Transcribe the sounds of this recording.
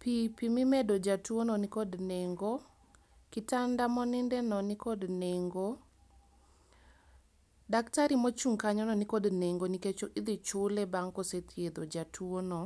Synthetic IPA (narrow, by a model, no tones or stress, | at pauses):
pipimimedod͡ʒatuonɔnikɔdneŋɡo | kɪtandamɔnɪndɛnɔnikɔdneŋɡo | daktaɾimot͡ʃuŋkaɲɔnɔnikodneŋɡoniket͡ʃoʔid̪it͡ʃʊlebaŋkɔset̪ʰjed̪od͡ʒatʰwono